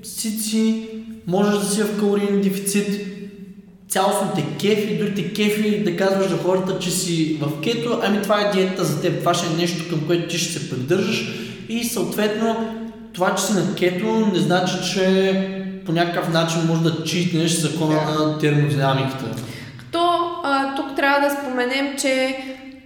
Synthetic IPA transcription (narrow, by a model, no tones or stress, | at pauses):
sit̪simɔʒɛʒd̪ɐsivɐfkəlˠoɾinnd̪ɛfi̥t̪sit̪ | sʲalˠosnit̪ɛkʲɛfid̪ɾuɡʲit̪ɛkɛfid̪ɐkazvəʒd̪ɐxɔɾət̪ət͡ʃɛsivɐfkɛt̪oʔɐmit̪ovaɛd̪iɛt̪ət̪əzɐt̪ɛpvaʃɛɛnɛʃt̪o̥kɐmkoɛt̪ot̪iʃɛ̥sɛpɾid̪ɤɾʒəʃ | isɐot̪vɛt̪no | t̪ovat͡ʃɛ̥sinɐkɛt̪onɛznat͡ʃit͡ʃɛ | ponʲakəkəfnat͡ʃinmɔʒɛd̪ɐt͡ʃit̪nɛʃzɐkɔnənɐt̪ɛɾmod̪inamikə̥t̪ə̰ | kɐ̥t̪ɔt̪ukt̪ɾʲavəd̪ɐspomɛnɛmt͡ʃɛ